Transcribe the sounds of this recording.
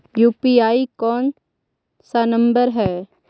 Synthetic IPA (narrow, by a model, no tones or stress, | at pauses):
juːpiaːikɔːn | sanə̃mbəɾɦɛː